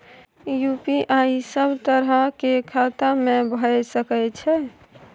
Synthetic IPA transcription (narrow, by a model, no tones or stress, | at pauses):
jupiʔaisəbʱt̪əɾəkekʰat̪amẽbʱəjsəkɛt͡ʃʰɛ